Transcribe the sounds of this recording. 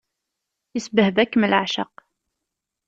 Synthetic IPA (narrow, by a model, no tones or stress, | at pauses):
jəsbəhvækːməlʕʃə̰q